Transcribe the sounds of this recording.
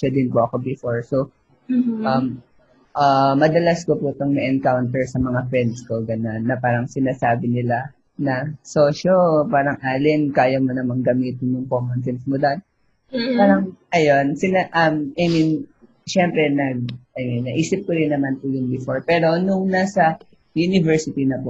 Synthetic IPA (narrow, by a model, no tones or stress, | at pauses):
ʃod̪ɪnpoʔɐko̞bɪfo̞ɹso | ʔɐm | ʔɐmɐd̪ɐlaskopʊt̪ɐŋmɛʔɛnkawnt̪ɛɹsɐmɐŋafɛnsko̞ɡɐnonːɐpaːɾɐŋsɪnaːsaːbɪnɪla | nɐsoːʃopaːɾɐŋʔaːlɪnkaːjɐmonɐmɐŋɡɐmiːt̪ɪnːʊŋkomɐnsɛnsmʊd̪oʔn | paːɾɐŋʔɐjonsɪnaʔɐmʔɐjmin | ʃɛmpɾɛnɐɡ̚ʔɐjminːɐʔiːsɪp̚koɾɪnːɐmanpʊjʊnbɪfo̞ɹpɛːɾo̞nʊŋnasɐ | junɪvɛɹsɪt̪inɐpʊ